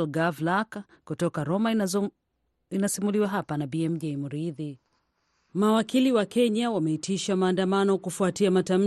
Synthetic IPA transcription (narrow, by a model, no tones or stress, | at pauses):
lɡavlak | kutɔkaɾɔma | inasimuliwaɦapanabiɛm̩d͡ʒɛjmuɾiði | mawakiliwakɛɲawamɛitʰiʃamaːndamanɔkufuatiamatam̩